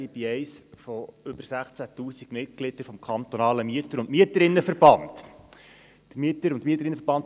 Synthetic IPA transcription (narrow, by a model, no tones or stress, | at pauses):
ibiɛɪsfoʏb̥əɾsæχt͡sætuːsiɡ̥mɪt̚klɪd̥əɾfɔmkʰɑnt̪onɑːləmyətəɾʊntmiətəɾɪnːəfəɾb̥ɑnt | d̥əmyətəɾʊntmiət̬ːəɾɪnːəfəɾb̥ɑnt